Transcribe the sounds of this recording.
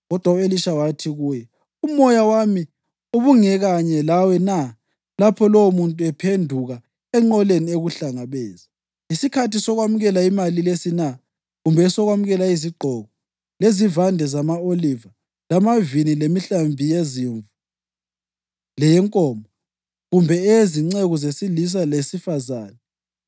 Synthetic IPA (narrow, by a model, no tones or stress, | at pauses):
ɣɔd̥ʱwaueliʃawatʰiɣuːjɛ | umɔjawami | uβuŋɛɣaɲɛlawɛna | lapʰɔlɔwmuntʼuɛpʰendʱuɣa | ɛŋ͡ǃɔlenieɣuɬaŋaβɛːzi | isikʰatisɔɣwamuɣɛlaimalilesina | ɣumbʱɛsɔɣwamuɣɛlaiziɡ͡ǃʱɔɣɔ | lezivandʱɛzamaoliva | lamavinilemiɬambʱijeziɱvu | lɛjɛŋkʼɔːmʱɔ | ɣumbʱɛɛziŋ͡ǀeɣɔzesilis̬alesifazaːnɛ